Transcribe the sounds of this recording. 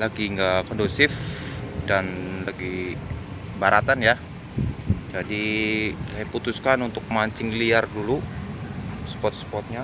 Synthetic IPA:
laɡiŋɡakɔndusɪfdanlaɡi | baɾat̪anja | d͡ʒadisajaput̪uskanunt̪ʊk̚maɲt͡ʃɪŋliardulu | sə̥pɔt̪̚spɔt̪̚ɲa

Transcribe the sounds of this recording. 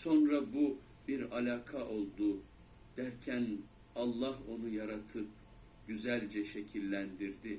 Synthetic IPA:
so̞nɾabu | biɾalʲaːkʰaʔo̞lˠd̪u | d̪̥æɾcʰæn | ɑlˠːaɦo̞nujaɾat̪ʰɯp̚ | ɟ̥yzælʲd͡ʒɛʃe̞cʰilʲːænd̪iɾd̪ɪ

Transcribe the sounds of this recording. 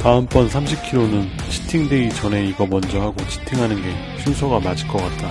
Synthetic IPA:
taɯmp͈ʌnsʰamɕʰip̚kʰiɾonɯn | t͡ɕʰi̥tʰiŋde̞it͡ɕʌne̞iɡʌmʌnd͡ʑʌɦaɡot͡ɕʰi̥tʰiŋɦanɯnɡe̞ | ɕʰunsʰoɡamad͡ʑiɭk͈ʌk͈at̚t͈a

